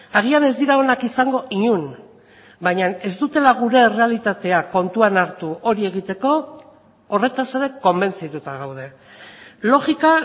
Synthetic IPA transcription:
aɣ̞iane̞zd̪iɾao̞nakisaŋɡo̞ʔiɲun | bajɲane̞zt̪ut̪e̞laɣ̞uɾe̞re̞alit̪at̪e̞ako̞nt̪uanaɾt̪uʔo̞ɾie̞ɣ̞it̪e̞ko̞ː | re̞t̪ase̞ɾe̞ko̞mbe̞nt͡sit̪ut̪aɣ̞awð̞e̞ | lo̞xika

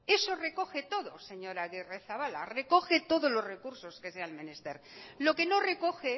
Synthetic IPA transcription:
e̞so̞re̞ko̞xe̞t̪o̞ðo̞se̞ɲo̞ɾaɣereθaβala̰re̞ko̞xe̞t̪o̞ðozlo̞zre̞kuɾso̞ske̞sealmenest̪eɾlo̞ke̞no̞re̞ko̞xe

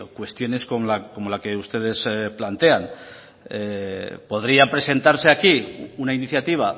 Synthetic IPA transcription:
kwe̞st̪jo̞ne̞skomlako̞mo̞lake̞ust̪e̞ð̞e̞splant̪e̞an | po̞ðɾiampɾe̞se̞nt̪aɾse̞akiunainiθjat̪iβ̞a

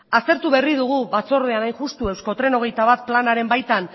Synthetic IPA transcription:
ast̪e̞ɾt̪uβe̞riðuɣ̞uβat͡so̞ɾð̞e̞anajʝust̪ue̞wsko̞t̪ɾe̞no̞ɣ̞e̞jt̪aβat̪̚planaɾe̞mbajt̪an

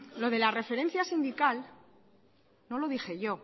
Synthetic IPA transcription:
lo̞ð̞e̞lare̞fe̞ɾe̞n̟θjasind̪ikal | no̞lo̞ðixe̞ʝo̞

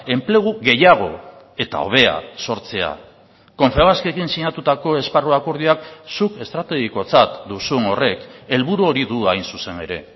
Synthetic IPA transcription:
e̞mple̞ɣ̞uɣe̞jaɣ̞o̞ | e̞t̪a̰o̞̰β̞e̞a̰so̞ɾt͡se̞a̰ | ko̞ɱfeɣaskiekinsiɲat̪ut̪ako̞e̞sparuakoɾð̞iaksuke̞st̪ɾat̪e̞ɣ̞iko̞t͡sat̪d̪usueŋo̞re̞ke̞lβuɾuo̞ɾiðuajnsuse̞ne̞ɾe̞̰

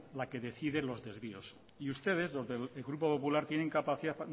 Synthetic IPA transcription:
lake̞ðe̞θiðelo̞zðe̞zβio̞s | iust̪e̞ð̞e̞zlo̞zðeleɣɾupo̞po̞pulaɾt̪je̞ne̞ŋkapaθiða

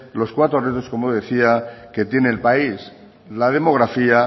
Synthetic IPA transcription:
lo̞skwat̪ɾo̞ret̪osko̞moðeθiake̞t̪jeneːlpais | lað̞e̞mo̞ɣ̞ɾafia

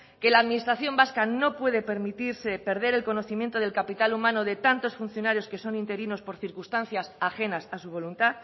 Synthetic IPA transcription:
ke̞laːðmĩnist̪ɾaθjo̞mbaskano̞pwe̞ð̞e̞pe̞ɾmit̪iɾse̞pe̞ɾð̞e̞ɾe̞lko̞no̞θimje̞nt̪o̞ð̞elkapit̪alumãno̞ð̞e̞t̪ant̪o̞sfun̟θjo̞naɾjo̞ske̞so̞nint̪e̞ɾino̞spo̞ɾθiɾkust̪an̟θjasaxe̞nasasuβ̞o̞lunt̪a

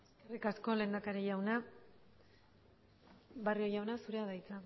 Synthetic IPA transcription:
eskerikasko̞le̞ːnd̪akaɾeʝawna | βario̞jawnasuɾe̞aðajt͡sa

